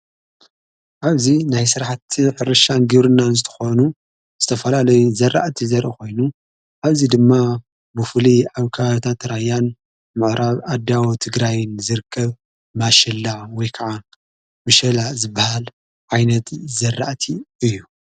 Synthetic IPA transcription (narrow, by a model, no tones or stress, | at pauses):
ʔaβzinajsɨɾħat̪ħɨɾɐʃanɡɨβɾɨnːanzɨt̪ʰɐ̥xonu | z̥ɨt̪ʰɐfɐlalɐjuzɐrːa̰ʔt̪ʰizɐɾʔiko̞jnu | ʔaβzid̪ɨmːa | bɨfɨliʕaβkʰaβt̪ʰat̪ɾajːan | mɨʕɾʔaβʔad̪awot̪ʰɨɡɾajnzɨɾɨkʰːɐβ | maʃɐlːawɔjkʰɐʕa | mɨʃɐlazɨbːɐhal | ʕajnɐt̪zɐrːa̰ʔt̪ʰiɨjːu